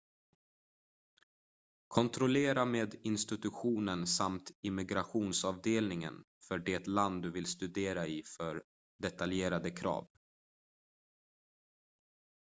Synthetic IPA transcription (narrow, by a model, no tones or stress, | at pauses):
kʰɔnt̪ʰɾɔleːɾameːd̪ɪnst̪ɪt̪ɵɧuːnənsamt̪ɪmːɪɡɾaɧuːnsɑːvd̪eːlnɪŋə̰n | fœɖɪt̪land̪ːɵvɪlst̪ɵd̪eːɾaɪfœɾ | ɖɛt̪aljeːɾad̪əkʰɾɑ̰ːv